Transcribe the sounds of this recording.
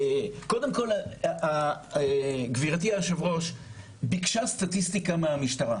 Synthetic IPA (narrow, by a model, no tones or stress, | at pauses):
ko̞demko̞la | ɡviʁatiaʃevʁo̞ʃ | bikʃast̪atist̪ikameamiʃt̪aʁa